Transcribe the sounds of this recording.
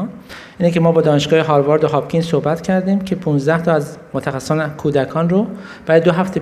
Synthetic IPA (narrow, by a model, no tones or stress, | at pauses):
nʔiːnecemɒːbɒːd̪ɒːneʃɡɒːheɦɒːɾvɒɾd̪oɦɒːbcʰʲiːnsohbæt̪cʰæɾd̪iːmcʰe̞pʰunzd̪æht̪ʰɒːæzmot̪ʰæxæsːonekʰuːd̪ækʰɒːnro | b̥æɾɒːd̪oɦæft̪ʰe